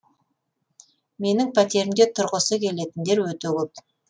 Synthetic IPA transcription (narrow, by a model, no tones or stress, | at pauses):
me̞nɪŋpʰæt̪e̞ɾɪmd̪e̞t̪ʰʊɾʁəsəkʲʰe̞le̞t̪ɪnd̪e̞ɾwɵt̪ekʲʰɵp